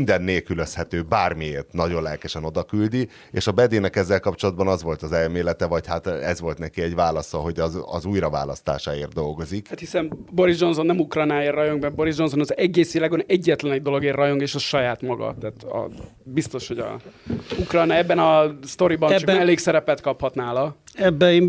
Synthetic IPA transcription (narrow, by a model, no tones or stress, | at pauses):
nd̪ɛnːeːlkyløshɛt̪øːbaːrmieːrt̪nɒɟo̞nlɛlkɛʃɛno̞d̪ɒkyld̪i | eːʃɒbɛd̪eːnɛkɛzːɛlkɒpt͡ʃo̞lɒd̪̚bɒnɒzʋo̞lt̪ɒzɛlmeːlɛt̪ɛvɒchat̪ɛzʋo̞lt̪nɛkiɛɟvaːlɒsɒɦo̞ɟɒɒ̰zuːjɾɒva̰ːlɒ̰st̪a̰ːʃaːeːrt̪̚d̪o̞lɡo̞zikhat̪hisɛmbo̞ɾizd͡ʒo̞nso̞nːɛmukrɔjnaːeːrːɒjo̞ŋɡbɛbo̞ɾizd͡ʒo̞nsonɒzɛɟːeːsilɛɡonɛɟːɛt̪lɛnɛɟ̚d̪o̞lo̞ɡeːrːɒjo̞ŋɡeːʃɒʃɒjaːt̪mɒɡɒ̰t̪aːt̪ɒ̰ | bist̪o̞ʃho̞ɟɒ̰ukrɒjnaɛbːɛnɒst̪o̞ɾibɒnt͡ʃkɛleːksɛɾɛpɛt̪kɒphɒt̪naːlɒɛbːɛ